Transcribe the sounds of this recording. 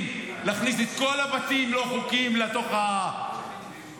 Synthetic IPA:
mleaχniset̪ko̞labatimlo̞χukimlat̪o̞χaa

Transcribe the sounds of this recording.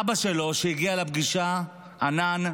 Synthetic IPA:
baʃelo̞ʃejiɡialap̚ɡiʃa | anan

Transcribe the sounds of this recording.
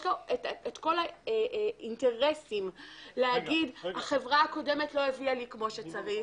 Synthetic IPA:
lo̞etet̪ko̞laeinte̞ʁe̞simleaɡidhaχe̞vʁaako̞de̞metlo̞evialikmo̞ʃe̞t͡saʁi

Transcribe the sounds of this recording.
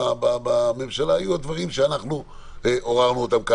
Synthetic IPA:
ababame̞mʃalaajuad̪vaʁimʃeanaχnu | eʔo̞ʁaʁnuot̪amka

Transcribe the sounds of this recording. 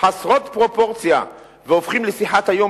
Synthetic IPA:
ħasʁo̞t̪pʁo̞po̞ʁt͡sja̰ | veofχimlesiħat̪hajo̞

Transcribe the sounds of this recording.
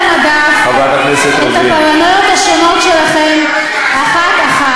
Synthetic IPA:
nadafavat̪aknɛset̪et̪apaʁanojot̪haʃono̞tʃelaχem | aχat̪aχa

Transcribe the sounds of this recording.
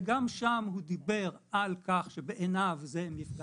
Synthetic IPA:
ɡamʃamhud̪ibeʁalkaχʃebeʔenavzemjifɡ

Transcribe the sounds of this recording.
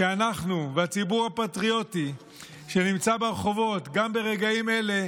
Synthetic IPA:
eanaχnuveat͡sibuʁhapatʁio̞ti | ʃe̞nimt͡sabeʁeχo̞vo̞t̪ɡambe̞ʁe̞ɡaime̞le̞

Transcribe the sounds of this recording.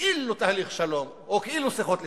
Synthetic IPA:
ilut̪ahaliχʃalo̞m | okeilusiχot̪le

